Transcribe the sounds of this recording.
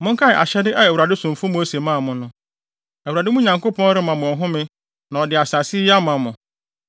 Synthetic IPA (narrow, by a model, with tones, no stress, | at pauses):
mʊ̃˦ŋ̩˦kʰa˦˨ʔa̰˨ɕɛ˦dɪ˦ʔa˦˨wu˨ɾa˨dɪ˦sʊ̃˨m˨fʊ̃˦mo˦se˨mã˦˨mʊ̃˨nʊ̃˦ | ɛ˨wu˨ɾa˨dɪ˦mʊ̃˦ɲã˨ŋko˦pʰɔ̃˦nɾɪ˦mã˨mʊ̃˨ɔ˨ɦʊ̃˦mɪ̃˦ | nã˨ɔ˨dɪ˨a˨sa˨sɪ˦a˦mã˨mʊ̃˨